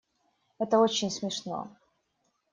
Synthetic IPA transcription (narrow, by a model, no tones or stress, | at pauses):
ɛt̪əot͡ɕɪnʲsmʲɪʂno̰